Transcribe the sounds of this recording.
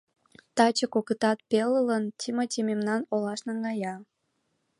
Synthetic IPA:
t̪ɑt͡ɕəkokət̪ɑt̪̚pelələntʲʰimətʲimemnɑnolɑʃnɑŋɡɑjɑ

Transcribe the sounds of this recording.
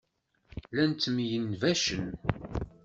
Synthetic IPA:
lænt̪ːmjənvæʃən

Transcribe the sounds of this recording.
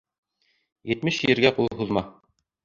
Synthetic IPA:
jɘ̆t̪mɘʃɘ̆ɾɡæqulˠɦuðmɑ

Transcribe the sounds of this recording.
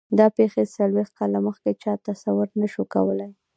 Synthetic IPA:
d̪ɑpexesalwext̪̚kɑlaməxket͡ʃɑt̪asawʊɾnaʃuka̰wəlaj

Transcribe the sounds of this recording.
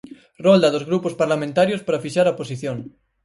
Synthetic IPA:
rɔld̪ɐðozɣɾupospaɾlamẽnt̪aɾjospaɾafiʃaɾɐposiθjõŋ

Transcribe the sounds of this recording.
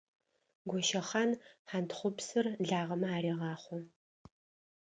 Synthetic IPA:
ɡʷɔʃɐχanħantχʷʊpsɨrɮaːʁɐmɐaːriːʁɑːχʷɔ

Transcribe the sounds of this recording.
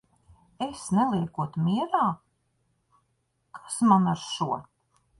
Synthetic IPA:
esnɛlˠiɛkuɔt̪mʲiɛɾaː | kʰḁsmanaɾʃuɔ

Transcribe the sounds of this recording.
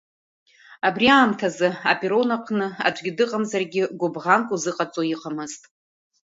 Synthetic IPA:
abriaːmtʰazɨapʼiɾo̞naqʷʰnɨa̰d͡ʒʷʼɡʲɪdɨqʼamzarɡʲɪɡʷʊbʁankʼuzɨqʼat͡sʼojiqʰʼamɨztʼ

